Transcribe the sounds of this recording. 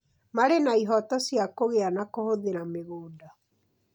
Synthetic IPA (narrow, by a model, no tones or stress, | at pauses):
maɾenaiɦɔtɔsjakoɣeanakohoðeɾameɣoːnda